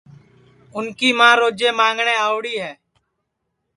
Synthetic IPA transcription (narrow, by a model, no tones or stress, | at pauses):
ʊnkiːmãːɾoːd͡ʒeːmãːŋɡɳeːaːʋɽiːɦɛː